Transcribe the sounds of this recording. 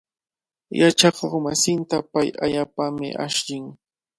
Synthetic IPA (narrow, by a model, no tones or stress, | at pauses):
jat͡ʃakoχmasɪnt̪apajaʎaːpamɪ̰ʔa̰ʃʎɪŋ